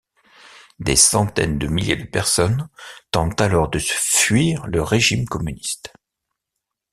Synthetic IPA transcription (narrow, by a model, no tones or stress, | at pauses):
d̪esɑ̃t̪ɛ̰nd̪əmiljed̪əpɛʁsɔnt̪ɑ̃t̪alɔʁd̪əsə̥fɥiʁləʁeʒimkɔmynist̪